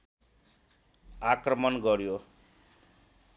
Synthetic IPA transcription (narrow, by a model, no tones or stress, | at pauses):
akrʌmʌnɡʌɾjo